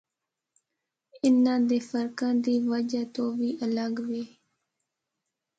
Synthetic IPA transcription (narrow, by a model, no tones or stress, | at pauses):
ɪnːãːd̪eːfəɾkãːd̪iːʋəd͡ʒaːt̪õːʋiːʔələɡʋiː